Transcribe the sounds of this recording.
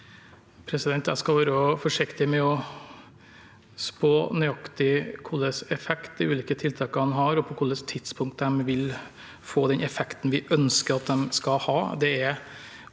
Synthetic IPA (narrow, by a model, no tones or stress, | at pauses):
pʰɾɛsɪd̪ɛnt̪æ̰skɑʋɑːɾəɔfɔʂɪkt̪ɪmɛɔ | spoːnʏɑkt̪ɪkʰʊlːəsɛfɛkt̪̚d̪ɪʉːliːkət̪ʰɪlt̪ʰɑːkəhɑnɦɑɾɔpʰɔkʰʊlːəst̪ʰɪd̪̥spʰʊŋk̚t̪d̪ɛmʋɪl | foːd̪ɛnɛfɛkt̪nʋɪʔœnskəɾɑt̪̚d̪ɛmskɑhɑːd̪ɛɛ